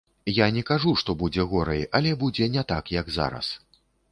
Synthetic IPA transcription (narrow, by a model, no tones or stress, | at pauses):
janʲɛkaʐuʂt̪ɔbud͡zʲɛɣɔɾɐjɐlʲɛbud͡zʲɛnʲɛt̪akjɐɡza̰ɾɐ̰s